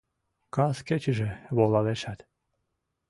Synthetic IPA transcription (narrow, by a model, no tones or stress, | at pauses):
kɑsket͡ɕiʒĕβolɑleʃæt̪